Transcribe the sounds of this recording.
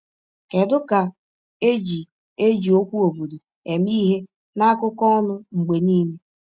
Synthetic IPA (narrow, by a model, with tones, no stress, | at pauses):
ke˨dʊ˦ka˨ | e˦d͡ʒi˨ | e˦d͡ʒi˨o˦kʷu˦o˨bo˨du˨ | e˨miː˦ɦe˦ | na˦a˦kʊ˦kɔ˦ʊ˦nʊ˦ŋ͡m̩˨ɡ͡be˨niː˦me˦